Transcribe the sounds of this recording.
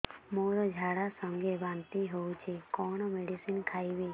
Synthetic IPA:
moːɾɔd͡ʒʱaːɽasɔ̃ŋɡʱebaːnt̪iɦout͡ʃʰekɔñɔmeɖisinkʰaːibe

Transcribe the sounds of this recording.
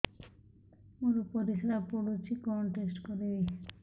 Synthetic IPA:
oɾupɔɾisɾapoɽut͡ʃʰikɔɳʈesʈkɔɾe

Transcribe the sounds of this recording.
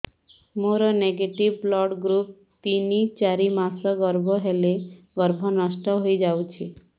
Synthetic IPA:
moɾɔneɡeʈibblɔɽɡɾup̚ | t̪init͡ʃaɾimasɔɡɔɾbʱɔɦele | ɡɔɾbʱɔnɔʃʈɔɦojd͡ʒawt͡ʃʰi

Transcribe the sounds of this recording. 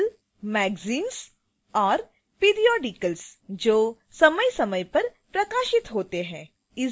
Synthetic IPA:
l | mɛːɡziːns | ɔːɾ | piːɾijɔːɖikəlsd͡ʒoː | sɐməjsɐməjpɐɾpɾɐkaːʃɪt̪ɦoːt̪eɦɛ̃ː | ɪ

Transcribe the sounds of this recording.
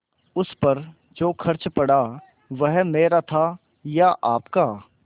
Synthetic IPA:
ʊspɐɾ | d͡ʒoːkʰɐɾt͡ʃpɐɽa | ʋəɦmeːɾat̪ʰa | jaʔaːpkaː

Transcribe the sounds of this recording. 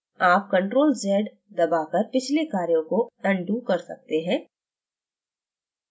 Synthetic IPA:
aːp̚kɐ̃ɳʈɾoːlzɛːɖ | d̪ɐbakɐɾpɪt͡ʃʰlekaːɾjõkoɛ̃ɳɖuːkɐɾsɐ̰k̚t̪eɦɛ̃ː

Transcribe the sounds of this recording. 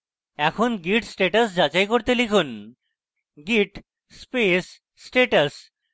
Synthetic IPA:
ɛkʰonɡiʈsʈeʈasd͡ʑat͡ɕajkoɾt̪elikʰun | ɡiʈ | spesː | ʈeʈas

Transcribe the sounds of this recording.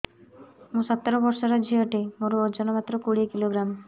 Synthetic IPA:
mũsɔt̪ːɔɾɔbɔɾsɔɾad͡ʒʱioʈemoɾuod͡ʒɔnɔmat̪ːɾokuɽikiloɡɾam

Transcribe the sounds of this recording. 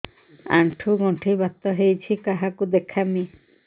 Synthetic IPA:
a̰ɳʈʰuɡɔɳʈʰibat̪ːɔɦejt͡ʃʰikaɦakud̪ekʰami

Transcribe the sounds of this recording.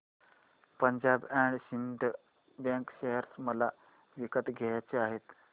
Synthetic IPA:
pəɲd͡ʑabæɳɖɕinɖ̪ | bãŋkɕeɦəɾt͡sməla | ʋikət̪ɡʱejat͡seaɦet̪

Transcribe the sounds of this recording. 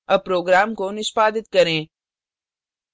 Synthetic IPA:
ɐpɾoːɡɾaːmkonɪʃpaːd̪ɪt̪kɐɾẽː

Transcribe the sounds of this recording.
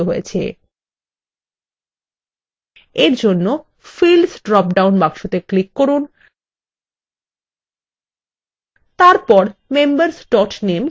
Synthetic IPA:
oɦojet͡ɕʰḛ | eɾd͡ʑonːo | filsɖɾɔp̚ɖawnbakʃot̪eklikːɔɾun | t̪aɾpɔɾmembaɾsɖɔʈnem

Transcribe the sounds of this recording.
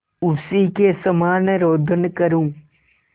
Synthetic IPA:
ʊsiːkesɐmaːnɾoːd̪ʱənkɐɾũː

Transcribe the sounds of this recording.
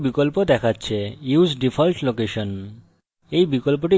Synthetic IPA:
bikɔlpod̪ɛkʰatːɕʰejusɖipʰɔlʈlokeʃɔn | ejbikɔlp̬oʈi

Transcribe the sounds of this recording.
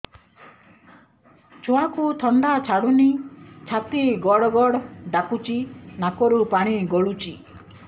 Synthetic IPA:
t͡ʃʰoakut̪ʰɔnd̪at͡ʃʰaɽunit͡ʃʰat̪iɡɔɽɔɡɔɽɔɖakut͡ʃinakɔɾupaɽ̃iɡɔɭut͡ʃi

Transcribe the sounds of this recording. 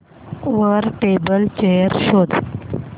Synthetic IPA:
ʋəɾʈebəlt͡ɕejəɾɕod̪ʱ

